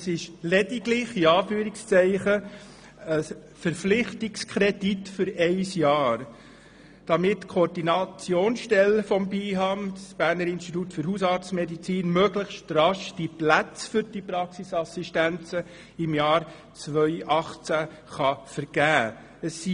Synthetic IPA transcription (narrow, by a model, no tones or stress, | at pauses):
sɪʃlɛd̥iɡlɪχiɑːfyːɾɪkst͡sɛɪχə | ə | fəɾflɪχtɪkskʰɾɛditfʏɾɛɪsjɑːɾ | d̥ɑmɪtkʰoːɾdinɑt͡sjoːnsʃtɛlfɔmbiːɦɑmsb̥æːɾnəɾɪnʃtitutfɵɾɦusɑːɾt͡smɛdit͡siːnmøɡləχʃtrɑʃd̥iplæt͡sfʏɾd̥ipɾɑksisɑsiʃtænt͡sə | ɪmjɑːɾ | t͡sʋœʏʔɑχt͡sæ | χɑfəɾɡ̥æː | əsːi